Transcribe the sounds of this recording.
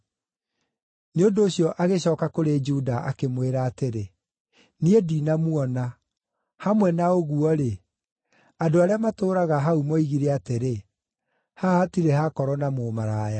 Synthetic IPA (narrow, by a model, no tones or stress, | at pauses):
neondoːɕjɔʔaɣeɕɔːkakoɾed͡ʒudaʔakemweɾaːteɾe | niedinamuɔna | hamwɛnaoɣuɔɾe | adoaɾeamatoːɾaɣaɦaumɔiɣiɾɛateɾe | hahatiɾehakɔɾɔnamoːmaɾaːja